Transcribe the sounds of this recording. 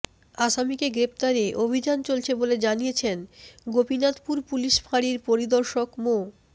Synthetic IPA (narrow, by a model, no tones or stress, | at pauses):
aʃamikeɡɾept̪aɾeʔobʱid͡ʑant͡ɕolt͡ɕʰeboled͡ʑanijet͡ɕʰenɡobinat̪puɾpuliʃfaɽiɾpoɾid̪oɾʃokmo